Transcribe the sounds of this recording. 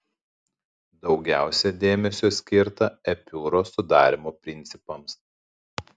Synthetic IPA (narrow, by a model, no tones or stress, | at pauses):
d̪ɒʊɡʲæˑʊsʲɛd̪ʲeːmʲɛsʲoːsʲkʲɪɾt̪ɐɛpʲuːɾoːsʊd̪ɑ̰ːɾʲɪmoːpʲɾʲɪnʲt̪sʲɪpɐms